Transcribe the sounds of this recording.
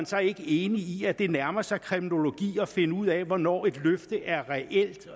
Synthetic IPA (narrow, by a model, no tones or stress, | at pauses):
nsɑ̈ɪe̝ɡ̥əe̝ːniiæd̥e̝næɐmɐsɑ̈ɪkʰʁimino̝lo̝ɡ̥ḭːɒ̽fe̝nəuð̞̰ˠɛʋɒnɒ̰ːe̝d̥løfd̥əʔæɐʁɛʔel̰d̥